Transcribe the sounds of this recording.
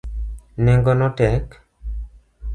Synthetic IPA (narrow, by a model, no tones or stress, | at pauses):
neŋɡɔnɔtɛk